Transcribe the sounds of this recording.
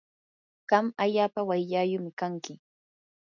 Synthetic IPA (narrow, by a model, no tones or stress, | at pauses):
ɢ̥ɑmaʎaːpawajʎajʊmɪkaŋkɪ